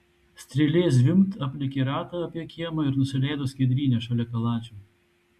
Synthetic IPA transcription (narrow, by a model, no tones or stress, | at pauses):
sʲt̪ʲɾʲɪlʲeːzʲʋʲɪmt̪ɐpʲlʲɪkʲɪɾɑːt̪ɐɐpʲjɛkʲiɛmɐɪɾnʊsʲɪlʲɛjd̪osʲkʲɛd̪ʲɾʲiːnʲɛʃɐlʲɛkɐlˠɑːt͡ʃʲu